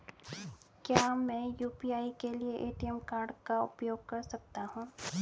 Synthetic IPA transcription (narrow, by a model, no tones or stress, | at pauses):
kjaːmɛ̃ːjuːpiaːikelieʔeːʈiɛmkaːɾɖkaʊpjoːɡ̚kɐɾsɐk̚t̪aɦũː